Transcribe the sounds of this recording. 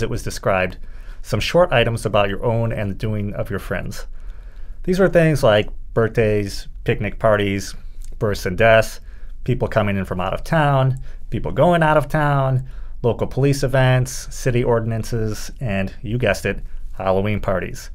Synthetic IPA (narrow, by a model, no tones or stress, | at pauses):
zɨʔ̚wʌzdɨskɹaɪb̚d̥sʌ̃mʃɔɹɾaɪɾə̃mzəbaʊt͡ʃə̰˞ʔõʊ̃nɨ̰̃nðɨdʉɪ̃ŋʌ̰vjə˞fɹɛ̰̃ndz̥ | ðizwə˞θɪ̃ŋzlaɪk̚b̥ɜ˞θ̚d̥eɪz̥pʰɪk̚nɨk̚pʰɑɹɾiz̥b̥ɜ˞sɨ̃ndɛs | pʰipl̩ˠkʰʌmɪ̃ŋɨ̃nfɹʌ̃ma̰ʊɾʌ̰v̥tʰãʊ̃npipl̩ˠɡoʊɪ̃ŋaʊɾʌv̥tʰãʊ̃nloʊkl̩ˠpʰəlisɨvɛ̃ntsɪɾiʔɔɹdⁿn̩ɨ̃nsɪz̥ɨ̃njɨɡɛstɨt̚hɑlˠəwĩnpʰɑɹɾḭz̥